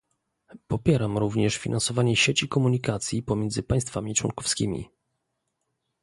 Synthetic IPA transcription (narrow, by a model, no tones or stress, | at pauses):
pɔpʲjɛɾamɾuvɲɛʂfʲinʔansɔvaɲɛɕet͡ɕikɔmuɲikat̪sʲjipɔmʲjɛnd̪zɘpaj̃st̪famʲit͡ʂwɔ̰ŋkɔfskʲḭmʲḭ